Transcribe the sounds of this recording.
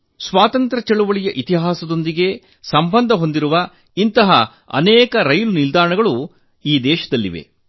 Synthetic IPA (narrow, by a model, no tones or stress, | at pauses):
sʋaːt̪ɐnt̪ɾɐt͡ʃeɭuʋɐɭijɐʔit̪iɦaːsɐd̪o̞nd̪iɡe̞ | sɐmbɐnd̪ʱɐɦo̞nd̪iɾuʋɐ | int̪ɐɦɐ | ɐ̰nɛːkɐɾɐjlunild̪aːɾɳɐɡɐɭu | iːd̪ɛːʃɐd̪ɐlːḭʋe̞̰